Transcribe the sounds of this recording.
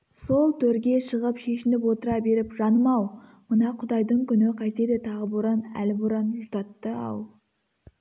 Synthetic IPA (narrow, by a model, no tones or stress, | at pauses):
so̞lˠt̪ʰɵɾɡʲe̞ʃəʁəpʃe̞ʃɪnɪpwo̞t̪əɾɑbe̞ɾɪpʒɑnəmɑw | mənɑqʰʊd̪ɑjd̪əɴkʲʰʏnɪqʰɑjt̪ed̪ɪt̪ʰɑʁəboɾɑnæ̰lɪboɾɑnʒʊzt̪ɑt̪ːəɑ̰w̪ˠ